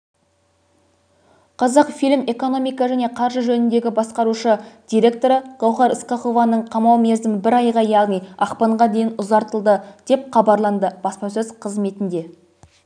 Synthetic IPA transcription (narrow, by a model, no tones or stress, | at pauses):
qʰɑzɑqfilɪme̞ko̞no̞mijkɑʒæne̞qʰɑɾʒəʒɵnɪnd̪e̞ɡʲɪbɑsqɑɾuʃəd̪̥ʲijɾʲe̞k̚t̪o̞ɾəʁ̥ɑwχɑɾəsqɑχo̞vɑnəɴqʰɑmɑwme̞zd̪ɪmɪbɪɾɑjʁɑjɑʁnijɑqpɑɴʁɑd̪e̞jɪnʊzɑɾt̪əlˠd̪əd̪̥e̞p̚qɑbɑɾlˠɑnd̪əb̥ɑspɑsɵzqʰəzme̞t̪ɪnd̪e̞